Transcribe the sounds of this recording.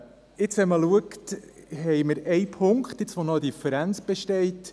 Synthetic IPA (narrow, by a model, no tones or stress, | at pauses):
ɪt͡shɛməluəktɦɛjməɾɛjpʰʊŋkχt̪ɪt͡sʋonɔəd̪ifəɾænt͡sb̥ɛʃtɛɪt